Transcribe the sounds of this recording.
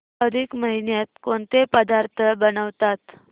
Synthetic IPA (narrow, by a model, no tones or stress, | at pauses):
əd̪ʱikməɦinjat̪̚koɳt̪epəd̪aɾt̪ʰəbənəʋt̪at̪